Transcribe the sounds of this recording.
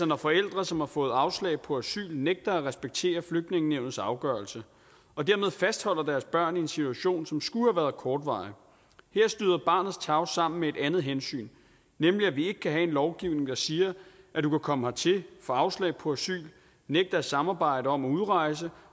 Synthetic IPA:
sɐnɒfɒ̽el̰d̥ʁɐsɒ̽mhɑ̈fɔ̽ːð̞̩ˠɑ̈ʊslɛ̰ːɪpʰɒ̽æsy̰ːlneɡ̥̚d̥ɐæʁɛsb̥eɡ̥̚t͡sʰe̝̰ːɐfløɡ̥̚d̥ne̝ŋneʊnð̩ˠsɑ̈ʊɡ̥ɶɐlsə | ɒ̽d̥æɐme̝ð̞ˠfæsd̥hɒ̽l̰ɐd̥æɐsb̥ɶɐ̰niensit͡sʰuæɕo̝̰ːnsɒ̽msɡ̥uhæʋæːɐðˠkʰɒːd̥ʋɑ̈ɪ | heɐ̰sd̥yːðˠɐb̥ɑ̈ːnð̩ˠst͡sʰɑ̈ʊsɑ̈m̰n̩mee̝d̥ænð̩ˠɦensy̰ːn | nemliæʋie̝ɡ̥ə̥kʰæɦɛe̝nlɒʊɡ̥iʊne̝ŋd̥ɑ̈siːɐ | ʔæd̥ukækʰɒ̽məɦɑt͡sʰe̝fɒ̽ɑ̈ʊslɛ̰ɪpʰɒ̽æsy̰ːl | neɡ̥̚d̥ɐæsɑ̈mɑ̈ːb̥ɑ̈ɪ̰dɾəɒ̽mæuð̞ˠʁɑ̈ɪs̬ə

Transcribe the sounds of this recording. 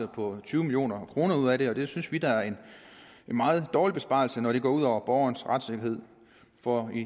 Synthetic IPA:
pʰɒ̽t͡sʰyːʊmiljo̝̰ːnɐkʰʁo̝ːnɐuð̰ˠæɾe̝ɒ̽d̥e̝synsʋid̥ɑæɐe̝n | e̝nmɑ̈ːð̩ˠd̥ɒːlib̥e̝sb̥ɑ̰̈l̩sənɒɾ̥e̝ɡ̥ɒ̰ːuð̞̰ˠɒʊ̰ɐb̥ɒʊɐnsʁad̥se̝ɡ̥ɐhe̝ð̞̰ˠ | fɒi

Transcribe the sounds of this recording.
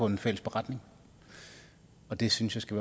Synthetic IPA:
ɔ̽enfel̰əsb̥e̝ʁɑ̈d̥ne̝ŋ | ɒ̽d̥e̝synsjɑ̈sɡ̥æʋæː

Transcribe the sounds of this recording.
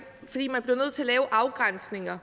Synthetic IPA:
fɒ̽d̥ḭːmænb̥le̝ʊnøð̰ˠt͡sʰe̝ɐlɛːʊʔɑ̈ʊɡ̥ʁan̰sne̝ŋɐ

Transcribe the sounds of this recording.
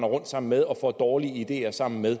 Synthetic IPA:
nɐʁɔ̽n̰d̥sɑ̈m̰n̩með̞ˠɒ̽fɒ̰d̥ɒːliəid̥e̝̰ːɐsɑ̈m̰n̩með̞ˠ

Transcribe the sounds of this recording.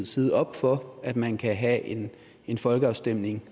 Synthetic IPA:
ð̩ˠsiːðˠɒ̽b̥fɒ̽æd̥mænkʰæɦæe̝n | e̝nfɒ̽lɡ̥əɑ̈ʊsd̥em̰ne̝ŋ

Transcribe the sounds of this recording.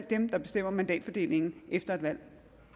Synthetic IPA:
l̰d̥emd̥ɑ̈b̥e̝sd̥em̰ɐmænd̥ɛ̰ːd̥fɒ̽d̥e̝̰ːle̝ŋn̩efd̥ɐe̝d̥ʋæl̰

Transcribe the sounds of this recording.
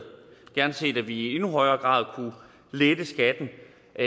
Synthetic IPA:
ɡ̥æɐnse̝̰ːd̥æʋiie̝nuɦɒ̽ɪɐːɡ̥ʁɑ̰̈ːðˠkʰu | led̥əsɡ̥æd̥n̩ | ʔæ

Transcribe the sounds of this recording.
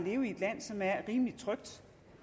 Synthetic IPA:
le̝ːʊie̝d̥læn̰sɒ̽mæɐʁiːmlid̥̚t͡sʰʁœɡ̥̚d̥

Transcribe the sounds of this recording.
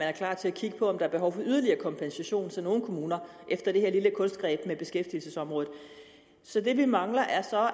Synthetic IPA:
ænæɐkʰlɑ̰̈ːt͡sʰe̝ækʰiɡ̥ə̥pʰɒ̽ːmd̥ɑ̈æɐb̥e̝ɦɒʊ̰fɒ̽yð̞ˠɐliɐːkʰɒ̽mpʰensæɕo̝̰ːnsʰɒno̝ːn̩kʰo̝muːnɐ | ʔefd̥ɐɾ̥e̝heɐliləkʰɔ̽nsd̥̚ɡ̥ʁɛ̰ːb̥meb̥e̝sɡ̥efd̥il̩səsɒ̽mʁɔ̽ːð̩ˠ | sɒ̽d̥e̝ʋimɑ̈ŋlɐʔæɐsɒ̽

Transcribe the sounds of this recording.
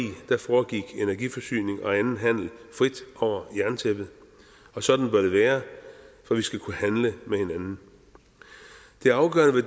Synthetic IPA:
ḭːd̥æ̈fɒːɡ̥iɡ̥e̝næɐɡifɒ̽sy̰ːne̝ŋɒ̽ænn̩ɦæn̰l̩fʁid̥ɒʊ̰ɐjæɐnt͡sʰeb̥ð̩ˠ | ɒ̽sɒ̽d̥n̩b̥ɶɐd̥e̝ʋæːɐfɒ̽ʋisɡ̥ækʰuhænləmehe̝nænn̩ | d̥e̝æɐɑ̈ʊɡ̥ɶ̰ɐnəʋe

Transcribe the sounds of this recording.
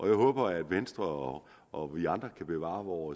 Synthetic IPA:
ʔɒ̽jɑ̈ɪɦɔ̽ːb̥ɐæd̥mensd̥ʁɐɒ | ʔɒ̽ʋiɑ̈nd̥ʁɐkʰæb̥e̝ʋɑ̰̈ːʋɒː

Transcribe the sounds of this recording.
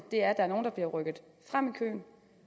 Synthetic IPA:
d̥e̝æɐd̥ɑæɐno̝ːnd̥ɑb̥liɐʁœɡ̥ð̞̩ˠ | fʁam̰ikʰø̰ːn

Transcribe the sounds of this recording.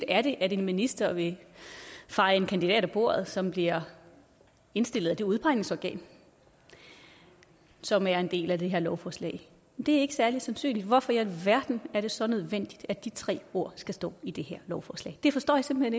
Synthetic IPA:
d̥æɐɾ̥e̝ʔæde̝nminisd̥ɐʋe̝ | fɑ̈ɪe̝nkʰænd̥id̥ɛ̰ːɾ̥æb̥o̝̰ːɐ̰ð̞̩ˠsɒ̽mb̥liɐ | e̝nsd̥e̝l̰ð̩ˠæd̥e̝uð̞ˠpʰɑ̈ɪne̝ŋsɒɡ̥ɛ̰ːn | sɒ̽mæɐe̝nd̥e̝̰ːlæd̥e̝ɦe̝ɐlɒʊfɒːslɛ̰ɪ | mend̥e̝æɐe̝ɡ̥əsæɐli̥sænsy̰ːnlid̥ʋɒfɒ̽jælʋæɐd̥n̩æɐɾ̥e̝sɒ̽nøð̞ˠʋen̰d̥id̥æd̥it͡sʰʁɛ̰ːo̝ɐ̰sɡ̥æsd̥ɔ̰̽ːid̥e̝heɐ̰lɒʊfɒːslɛ̰ɪd̥e̝fɒ̽sd̥ɔ̰ːjɑse̝mb̥̩hen

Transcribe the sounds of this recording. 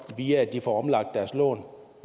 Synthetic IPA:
ʋiːɐæd̥ifɒɒ̽mlɑ̈ɡ̥̚d̥ːæɐslɔ̰ːn

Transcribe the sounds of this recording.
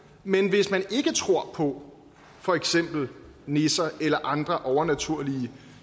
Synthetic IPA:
menʋe̝smæne̝ɡ̥ət͡sʰʁo̝ɐ̰pʰɒ̽ | fɒ̽eɡ̥sem̰b̥l̩ | ne̝sɐelɐʔɑ̈nd̥ʁɐʔɒʊɐnæt͡sʰuɐ̰liə

